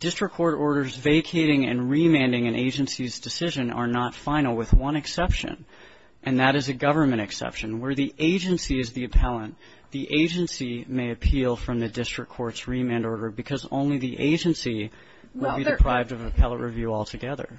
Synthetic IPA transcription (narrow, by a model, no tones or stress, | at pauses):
d̥ɪstɹ̥ɨkʰːɔɹɾɔɹɾə˞zveɪkʰeɪɾɪ̃ŋɨ̰̃nɹimæ̃ndɪ̃ŋɨ̃nʔeɪd͡ʒɨ̃nsizdɨsɪʒɨ̃nə̰˞nətfãɪ̃nl̩ˠwɨðwʌ̃nɨksɛpʃɨ̰̃n | ʔɨ̃nðɨɾɨzɨɡʌvə˞mɨ̃ɾ̃ɨksɛ̰pʃɨ̃nwə˞ðiʔeɪd͡ʒɨ̃nsiɨzðiɨpʰɛlˠə̃n | ðiʔeɪd͡ʒɨ̃nsimeɪɨpʰilˠfɹʌ̃mðɨdɪstɹ̥ɨkʰːɔɹtsɹimæ̃ndɔɹɾə˞bɨkʰʌzõ̰ʊ̃nliðiʔḛɪd͡ʒɨ̃nsi | wɪlˠbidɨpʰɹ̥aɪvdʌvɨpʰɛlˠə̃nʔɹɨvjʉɔlˠtʰɨɡɛðə̰˞